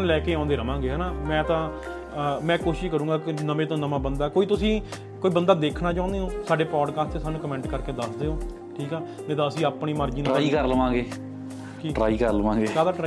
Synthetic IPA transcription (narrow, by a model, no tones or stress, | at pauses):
nlɛːkeːãːnd̪eːɾəʋãːŋɡeːɦɛːnaːmɛ̃ːt̪ãː | mɛ̃ːkoːʃɪʃkəɾũːɡaːkɪnəʋẽːt̪õːnəmãːbənd̪aːkoːiːt̪ʊsĩː | koːiːbənd̪aːd̪eːkʰnaːt͡ʃãːnd̪eɦõːsaːɖeːpɔːɖkaːsʈt̪eːsaːnːũːkəmɛ̃ːɳʈkəɾkeːd̪əsd̪eːoː | ʈʰiːkɛː | mɛ̃ːt̪ãːəsĩːaːpɳiːməɾd͡ʒiːnɾːiːkəɾləʋãːɡeː | kiːʈɾaːiːkəɾləʋãːɡeːaːd̪aːʈɾaː